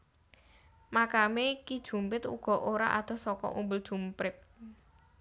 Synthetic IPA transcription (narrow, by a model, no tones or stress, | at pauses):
makamekid̥ʒ̥ṳmpɪt̪ṵɡ̥ɔ̤ʔoɾa̰ʔa̰d̪̥ɔ̤sɔkɔ̰ʔumbəld̥ʒ̥ṳmpɪt̪̚